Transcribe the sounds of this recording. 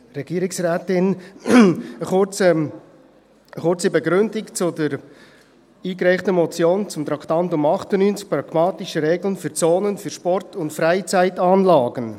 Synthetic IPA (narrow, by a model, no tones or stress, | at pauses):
ɾɛɡ̥iːɾɪksræːtɪn | əχʊt͡sə | əχʊrt͡sibɛɡɾʏndɪkt͡sʊdəɾ | iːkɾɛɪχtəmɔt͡sjoːnt͡sʊmt̪ɾɑktɑntʊmɑχtənyːnt͡sk̚pɾɑɡ̥mɑːtɪʃəɾeːɡlənfyːɾt͡soːnənfyɾʃpɔrtʰʊntfɾaɪt͡sæɪtɑːnlɑːɡən